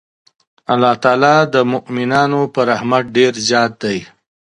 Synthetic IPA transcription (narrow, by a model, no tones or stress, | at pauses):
alːɑt̪ɑːlɑd̪əmʊʔmɪnɑːnopəɾahmaʈ̚ɖeɾzjɑːt̪̚d̪aj